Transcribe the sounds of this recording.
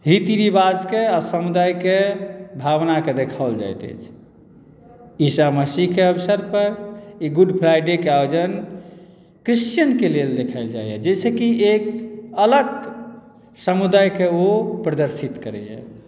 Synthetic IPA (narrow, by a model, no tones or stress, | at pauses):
ɾit̪iɾibad͡ʒkeasəmud̪ajkebʱaβnaked̪ekʰaold͡ʒa̰jt̪ɛ̰t͡ʃʰ | isaməsiɦkeəbsəɾpəɾiɡuɖpʰɾajɖekeajod͡ʒən | kɾist͡ʃjənkeleld̪ekʰəɪld͡ʒa̰jɛ̰d͡ʒet͡ʃʰekiekələɡ | səmud̪ajkeopɾəd̪əɾsit̪kəɾɛ̰jɛ̰